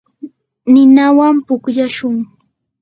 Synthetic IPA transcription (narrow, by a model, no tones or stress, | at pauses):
nɪnawampʊkʎaʃʊŋ